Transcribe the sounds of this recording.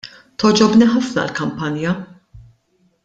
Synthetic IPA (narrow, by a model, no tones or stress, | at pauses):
t̪ɔd͡ʒɔbniħɐfnɐ̰lkɐmpɐnjɐ